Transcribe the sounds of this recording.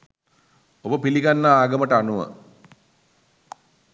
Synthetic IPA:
obəpiliɡanːaaːɡəməʈəanuʋə̰

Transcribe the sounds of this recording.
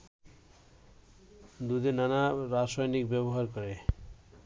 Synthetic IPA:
d̪ud̪inanaɾasɔjnikbɛboɦaɾkɔɾe

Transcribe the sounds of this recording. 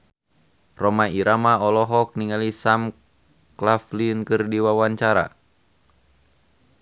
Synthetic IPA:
rɔmaiɾamaɔlɔɦɔk̚niŋalisam | klaflinkɨrdiwawaɲt͡ʃaɾa̰

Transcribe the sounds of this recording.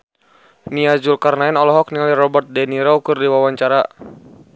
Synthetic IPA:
niad͡ʒulkarnaɛnɔlɔɦɔk̚niŋaliɾɔbɔrt̪̚dɛniɾɔukɨrdiwawaɲt͡ʃaɾa

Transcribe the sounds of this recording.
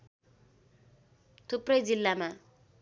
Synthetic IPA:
t̪ʰuprʌjd͡zilːama

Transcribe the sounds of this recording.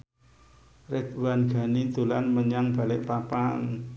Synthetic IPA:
rɪt̪̚wanɡ̥a̤nid̪̥ṳlanməɲaŋb̥a̤lɪʔpapaŋ

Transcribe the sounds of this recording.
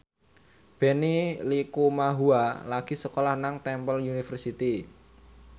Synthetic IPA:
b̥e̤nilikumaɦualaɡ̥i̤səkolahnaŋt̪ɛmpəlunifərsit̪i

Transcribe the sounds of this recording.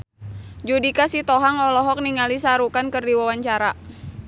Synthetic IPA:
d͡ʒudikasit̪ɔɦaŋɔlɔɦɔk̚niŋalisaɾukankərdiwawaɲt͡ʃaɾa

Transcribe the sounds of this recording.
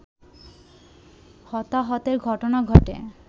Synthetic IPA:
hɔt̪aɦɔt̪eɾɡʱɔʈonaɡʱɔʈḛ

